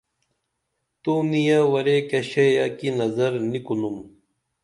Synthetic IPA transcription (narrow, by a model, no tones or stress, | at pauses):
t̪unijawɐɾekɐɕejakinɐzɐɾnikunum